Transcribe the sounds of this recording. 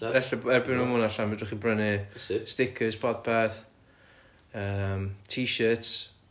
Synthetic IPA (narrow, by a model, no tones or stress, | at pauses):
ɛɬaɛrbɪnamʊnaɬanmdʊχibrənɪstɪkʰəz̥pʰɔd̚pʰɛθ | əːmtʰiːʃəts